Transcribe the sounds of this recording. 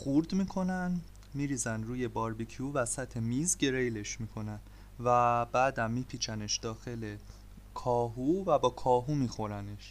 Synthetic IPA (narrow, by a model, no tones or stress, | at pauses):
χuɾd̪miːkʰo̞næn | miːɾiːzænd̪ɾuːje̞bɒɾbicʰiuvæsæt̪ʰe̞miːzɟe̞ɾejle̞ʃmiːkʰo̞næn | væbæːd̪æmːiːpʰiːt͡ʃʰæne̞ʃd̪ɒːxe̞le̞ | kʰɒːɦuvæbɒːkʰɒːɦumiːxo̞ɾæne̞ʃ